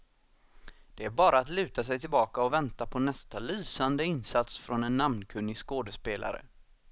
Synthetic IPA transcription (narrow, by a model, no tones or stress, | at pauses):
d̪̥ɛæɾbɑːɾaːt̪lʉ̟ːt̪asɛjt̪ʰɪlbɑːkaɔvɛnt̪apʰɔnɛst̪alyːsand̪əɪnsat̪sfɾɔnɛnːamnkʰɵnːɪskoːd̪əspeːlʔa̰ɾə̰